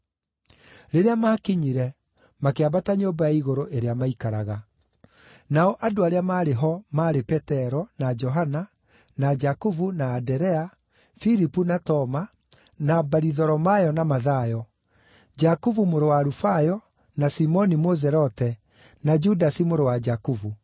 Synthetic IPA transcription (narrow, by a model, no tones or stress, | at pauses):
ɾeɾeamaːkiɲiɾɛ | makeaβataɲoːmbajaiɣoɾoʔeɾeamaikaɾa̰ɣa | naɔʔadoaɾeamaːɾeɦɔmaɾepɛtɛɾɔnad͡ʒɔɦana | nad͡ʒakuvunaːdɛɾɛa | fiɾipunatɔma | nabaɾiðɔɾɔmajɔnamaðajɔ | d͡ʒakuvumoɾowaːɾufajɔ | nasimɔnimozɛɾɔtɛ | nad͡ʒudasimoɾowad͡ʒakuvu